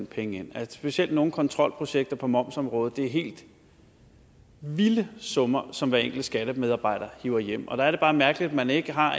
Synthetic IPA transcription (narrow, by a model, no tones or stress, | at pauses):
npʰeŋəen̰æsb̥e̝siel̰d̥no̝ːn̩kʰɒ̽nt͡sʰʁɒ̽l̰pʰʁo̝ɕeɡ̥̚d̥ɐpʰɒ̽mɒ̽m̰sɒ̽mʁɔ̽ːð̞̩ˠd̥e̝æɐɦe̝̰ːld̥ | ʋiləsɔ̽mɐsɒ̽mʋæɐeŋ̰ɡ̥l̩dəsɡ̥æɾ̥əmeð̞ˠɑ̈b̥ɑ̈ɪ̰d̥ɐhiʊ̰ɐjem̰ɒ̽d̥ɑæɐɾe̝b̥ɑ̈ːmæɐɡ̥əlid̥æmæne̝ɡ̥əɦɑ̈